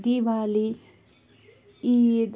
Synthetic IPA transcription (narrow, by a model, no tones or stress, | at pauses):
d̪iʋaːli | id̪